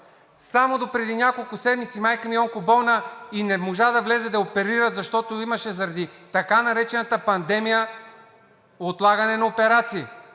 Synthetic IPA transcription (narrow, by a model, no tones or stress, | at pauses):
samod̪opɾɛd̪inʲakolˠkʊsɛd̪mit̪simajkɐmiɔŋkobɔlˠnəinɛmoʒad̪ɐvlɛzɛd̪ɐopɛɾiɾət̪zɐʃt̪ɔt̪oimɐʃɛzɐɾɐd̪it̪ɐkanɐɾɛt͡ʃɛnɐt̪əpɐnd̪ɛmijə | ot̪lˠaɡɐnɛnɐopɛɾat̪siː